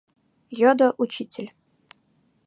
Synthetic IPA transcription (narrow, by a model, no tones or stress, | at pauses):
jod̪əʔut͡ɕitʲɪlʲ